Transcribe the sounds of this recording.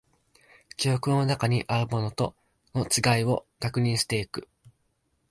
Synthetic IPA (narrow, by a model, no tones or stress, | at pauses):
kʲio̞kɯ̟no̞nakaɲ̟iʔaɾɯ̟mo̞not̪o̞ | no̞t͡sɨɡaio̞kakɯ̟ɲ̟ĩɰ̃ɕi̥t̪e̞ikɯ̟